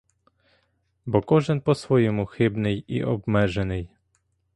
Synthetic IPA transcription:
bɔkɔʒɪnpɔsʋɔjɔmʊxɪbnɪjḭʔɔbmɛʒenɪj

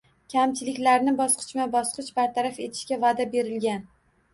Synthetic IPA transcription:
kʲʰamt͡ʃʰɪlɪkʲlaɾnɪbɒsqʰɨ̥t͡ʃmabɒsqɨt͡ʃbaɾt̪ʰaɾafe̞t̪ʰɪ̥ʃkʲavad̪abe̞ɾɪlɡʲan

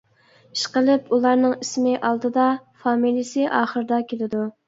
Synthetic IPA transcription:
iʃqəlˠɪpulˠɑɾnɨŋismɪʔɑlˠd̪ɨd̪ɑfɑːmilˠijisɪʔɑːχəɾɨd̪ɑkʲʰelɪd̪u

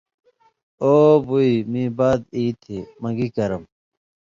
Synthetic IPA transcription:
oːbuimĩːbaːd̪iːt̪ʰemɐŋɡikɐɾɐm

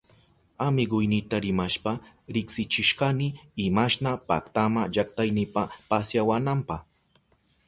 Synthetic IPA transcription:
amɪɢʊjnɪt̪aɾɪmaʃpa | ɾɪksɪt͡ʃɪʃɢanɪɪmaʃnapa̰kt̪amaʒakt̪ajnɪpapasjawanampɑχ

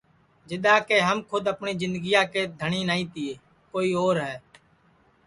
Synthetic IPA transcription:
d͡ʒɪɗ̪aːkeːɦəmkʰʊd̪əpɳiːzɪ̃nd̪əɡiːjaːkeːd̪ʱəɳiːnaːiːt̪ɪːeː | koːiːoːɾɦɛː

